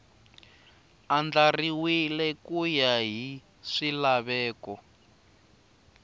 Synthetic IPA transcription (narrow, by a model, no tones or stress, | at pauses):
and͡ɮariwilɛkujaɦi | ʂilaβɛːkɔ